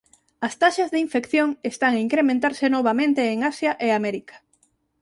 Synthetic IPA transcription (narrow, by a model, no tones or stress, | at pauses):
ast̪aʃɐzðeiɱfekθjoŋest̪aŋaiŋkɾemẽnt̪aɾsenoβ̞amẽnt̪eːŋasjaʔeamɛɾikḁ